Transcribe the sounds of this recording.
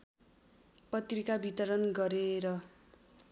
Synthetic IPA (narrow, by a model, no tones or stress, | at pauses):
pʌt̪rikabʱit̪ʌɾʌnɡʌɾeɾʌ